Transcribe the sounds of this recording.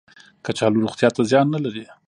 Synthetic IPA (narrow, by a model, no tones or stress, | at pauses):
kat͡ʃɑluɾuxt̪jɑt̪azjɑnːalaɾi